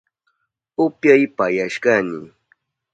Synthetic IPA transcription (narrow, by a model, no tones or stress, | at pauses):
ʊpjajpajaʃkanɪ